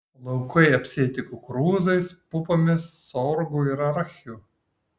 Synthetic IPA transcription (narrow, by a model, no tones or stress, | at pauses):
lˠɐʊkɐɪɐpʲsʲeːt̪ʲɪkʊkɾuːzɐɪspʊpoːmʲɪsːɔɾɡuɪɾɐɾxʲuː